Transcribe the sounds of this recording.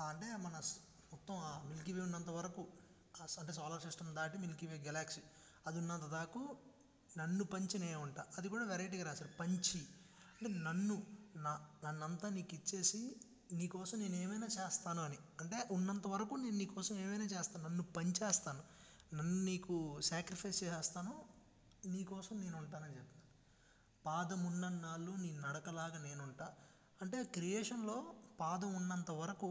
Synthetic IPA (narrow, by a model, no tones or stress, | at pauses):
aɐɳʈeːmɐnɐ | mɔt̪ːɐmaːmilkiʋeːunːɐnt̪̬ɐʋɐɾɐku | ɐɳʈeːsɔːlɐɾsisʈɐmd̪aːʈimilkiʋeːɡɐlaːksi | ɐd̪unːɐnt̪̬ɐd̪aːku | nɐnːupɐɲt͡ʃineːuɳʈaːɐd̪ikuːɽaːʋɛɾɐjʈ̬iːkɐɾaːsaɾipɐɲt͡ʃi | ɐɳʈeːnɐnːunanɐnːɐnt̪aːniːkit͡ʃːe̞ːsi | niːkɔːsɐmne̞ːneːmɐjnaːt͡ʃɛːst̪aːnuɐniɐɳʈe̞ːʔunːɐnt̪ɐʋɐɾɐkune̞ːnuniːkɔːsɐmeːmɐjnaːt͡ʃeːst̪aːnnɐnːupɐɲt͡ʃeːst̪aːnunɐnːuniːkusaːkɾipʰɐjst͡ʃɛːst̪aːnoː | niːkɔːsɐmne̞ːnuɳʈaːnɐnit͡ʃɛpːinaː | paːd̪ɐmunːɐnːaːluːniːnunɐɽɐkɐlaːɡɐːne̞ːnuɳʈaː | ɐɳʈe̞ːkɾijeːʂɐnlo̞ːpaːd̪ɐmunːɐnt̪ɐʋɐɾɐku